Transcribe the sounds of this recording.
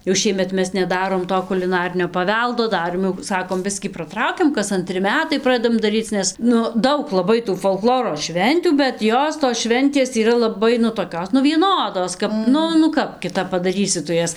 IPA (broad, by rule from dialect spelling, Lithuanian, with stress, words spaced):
jɛʊ ˈʃʲiɛmʲɛt ˈmʲɛs nʲɛˈdɑːroːm ˈtoː kʊlʲɪˈnɑːrʲɪnʲoː pɐˈʋʲɛlˠdoː ˈdɑːrʲeːm jɛʊ ˈsɑːkoːm ˈbʲɪsʲkʲiː prɐˈtrɐʊkʲɪm kɐs ɐnʲˈtʲrʲɪ ˈmʲæːtɐɪ ˈprɑːdʲɛdɐm dɐˈrʲiːt͡s ˈnʲɛs ˈnʊ ˈdɐʊk lˠɐˈbɐɪ tuː foːlˠˈklˠoːroː ˈʃʲʋʲɛnʲtʲuː bʲɛt ˈjoːs toːs ˈʃʲʋʲɛnʲtʲeːs iːˈrɐ lˠɐˈbɐɪ nʊ toːˈkʲoːs nʊ ʋʲiɛˈnoːdoːs ˈkɐp ˈnʊ nʊ ˈkɐp kʲɪˈtɐp pɐdɐˈrʲiːsʲɪ tʊ ˈjɛs